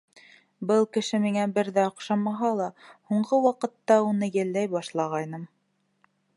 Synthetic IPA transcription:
bɤlˠkɘ̆ʃɘmiŋæbɘɾðæŏqʃɑmɑɦɑlˠɑhuɴɢɤwɑqɤ̆t̪ːɑunɤjæ̆lːæjbɑʃlˠɑʁɑjnɤm

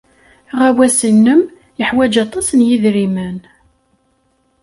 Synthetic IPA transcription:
ʁæwæsənːəm | jəħwæd͡ʒɑt̪ˤɑsnjiðɾimæn

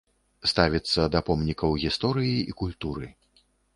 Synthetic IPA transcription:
st̪avʲit̪sːɐd̪ɐpɔmnʲikɐwɣʲist̪ɔɾɨjiikulʲt̪uɾɨ

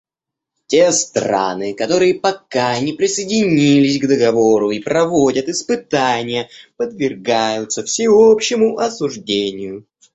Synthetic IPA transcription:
tʲest̪rɾa̰nɨkɐt̪o̞ɾɨjəpɐkanʲɪpɾʲɪsəjɪdʲɪnʲilʲɪsʲɡd̪əɡɐvo̞ɾʊipɾɐvodʲət̪ɨspɨt̪anʲɪjəpəd̪vʲɪrɡajʊt̪səfsʲɪopɕːɪmʊʔɐsʊʐdʲenʲɪjʊ

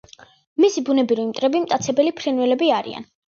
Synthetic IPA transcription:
misibunɛbɾiɾimt̪ʼɾɛbimt̪ʼat̪sʰɛbɛlipʰɾɛnwɛlɛbiaɾḭa̰n

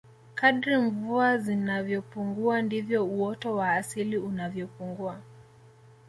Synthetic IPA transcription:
kaɗɾiɱvuazinavjɔpuŋɡuandivjɔuɔtɔwaːsiliunavjɔpuŋɡua

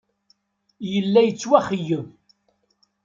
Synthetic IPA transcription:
jəlːæjət͡sːwæχəjːəv

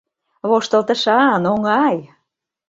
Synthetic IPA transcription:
βoʃt̪ə̆lt̪ə̆ʃɑnoŋɑj

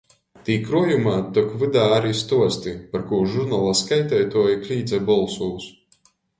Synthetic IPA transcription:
t̪iːkɾujumaːt̪ɔkvɨd̪aːaɾiːst̪uɔst̪ipaɾkuːɾʒuɾnalˠaskajt̪ɛjt̪uɔjikɾʲiːd̪zɛbɔlˠsuːs

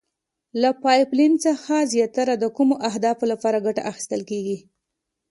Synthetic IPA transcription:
lapɑjplint͡səxazjɑt̪ːaɾad̪əkumoʔaɦd̪ɑfolapɑɾaɡaʈa̰ʔaxi̥st̪əlkeɡi

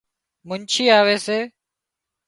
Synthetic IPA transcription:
mʊnt͡ʃʰiːaːʋeːseː

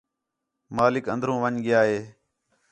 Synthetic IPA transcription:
maːlɪkə̰nd̪ʱɾõːʋəɲɠɪjaːɦeː

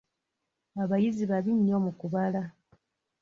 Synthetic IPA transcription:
aβajiziβaβiɲːo̞mukuβala

